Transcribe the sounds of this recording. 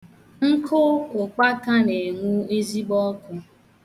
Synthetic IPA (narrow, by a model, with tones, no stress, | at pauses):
ŋ̩˦kʰʊ˦ʊ˨k͡pa˦ka˦ne˨ŋʷu˦e˦zi˦ɡ͡bɔ˦kʊ˦